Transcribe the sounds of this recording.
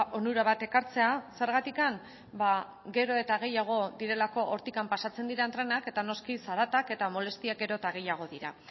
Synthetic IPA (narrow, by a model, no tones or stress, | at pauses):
ʔo̞nuɾaβat̪e̞kaɾt͡se̞ase̞ɾɣat̪ikan | ba | ɡe̞ɾo̞e̞t̪aɣ̞e̞jaɣ̞o̞ðiɾe̞lako̞ʔoɾt̪ikampasat͡se̞nd̪iɾaent̪ɾe̞nake̞t̪ano̞skisaɾat̪ake̞t̪amo̞le̞st̪iak̚ɡe̞ɾo̞t̪aɣ̞e̞jaɣ̞o̞ðiɾa̰